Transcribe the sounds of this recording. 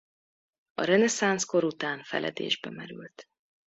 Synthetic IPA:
ɒɾɛnɛsansko̞ɾut̪aːnfɛlʔɛ̰d̪ḛːʒbɛmɛɾylt̪

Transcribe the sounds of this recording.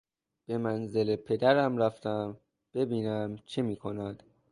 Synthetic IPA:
b̥e̞mænze̞lepʰe̞d̪æɾæmɾæft̪ʰæm | b̥e̞biːnæmt͡ʃʰemiːkʰonæd̪̥

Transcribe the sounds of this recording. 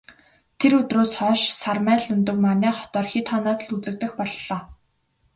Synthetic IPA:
t̪ʰeɾɵt̪roːsχɔːʃsarmæːɮɵnt̪ɵ̆kmanæːχɔ̥t̪ɔːrxit̪χɔːnɔːt̪ɮut͡sɘ̆k̚t̪ɘ̆xpɔɮːɔː

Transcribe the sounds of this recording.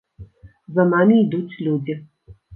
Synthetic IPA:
zɐnamʲiːd̪ut͡sʲlʲud͡zʲi

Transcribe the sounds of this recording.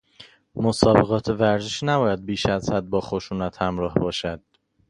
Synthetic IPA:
mosɒːbe̞ɣɒːt̪ʰevæɾzeʃnæbɒːjæd̪̚biːʃæzhæd̪̚bɒːxo̞ʃuːnæt̪ʰhæmɾɒːhbɒːʃæd̪̥

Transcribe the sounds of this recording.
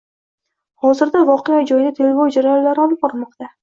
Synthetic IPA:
hɒzɪɾd̪avɒqejad͡ʒɒjd̪at̪ʰe̞lvowd͡ʒaɾajɒnlːaɾɪɒlˠɪp̚bɒɾmɒqt̪a

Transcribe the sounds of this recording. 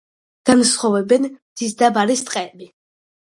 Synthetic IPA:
ɡ̥ansχavɛbɛnmd̪isd̪abaɾist̪ʼqʼɛːbi

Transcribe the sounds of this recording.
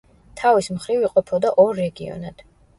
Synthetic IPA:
t̪ʰavismχɾiviqʼɔpʰɔd̪aʔɔɾːɛɡiɔ̰nad̪̥

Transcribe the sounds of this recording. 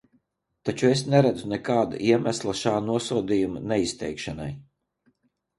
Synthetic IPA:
t̪at͡ʃuesnɛɾad̪zunɛkaːd̪a̰ʔiɛmæslˠaʃaːnuɔsuwd̪iːjumanɛist̪ʲɛjkʃana̰j

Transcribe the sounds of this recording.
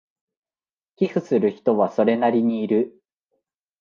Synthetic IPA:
kʲiɸɯ̟sɨɾɯ̟çi̥t̪o̞βaso̞ɾe̞naɾʲiɲ̟iːɾɯ̟

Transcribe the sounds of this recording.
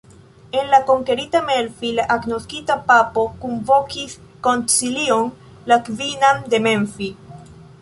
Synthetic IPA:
e̞nlako̞ŋke̞ɾitame̞lfilaʔaɡno̞skitapapo̞konvo̞kis | ko̞nt͡silion | lakvinande̞me̞nfi

